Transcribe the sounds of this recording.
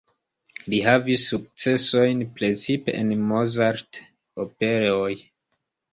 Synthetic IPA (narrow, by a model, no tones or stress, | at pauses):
liɦavisːuk̚t͡se̞so̞jnpɾe̞t͡sipḛʔenmozaɾt | ope̞ɾeoj